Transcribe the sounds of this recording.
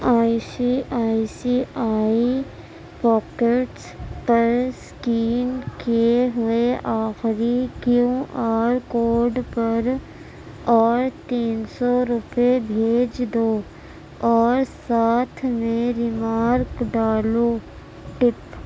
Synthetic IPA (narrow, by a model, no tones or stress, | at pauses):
aːisiaːisiaːi | pɔːkeʈspɐɾskiːnkeeɦʊeʔaːxɾikjũaːɾkoːɾɖpɐɾ | ɔːɾt̪iːnsɔɾʊpebʱeːd͡ʒd̪oː | ɔːɾsaːt̪ʰmẽɾɪmaːɾkɖaːloː | ʈɪp